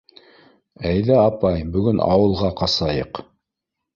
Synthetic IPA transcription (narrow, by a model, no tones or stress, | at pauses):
æjðæɑpɑjbɵ̆ɡɵnʔɑ̰wɤ̆lˠʁɑqɑsɑjɤq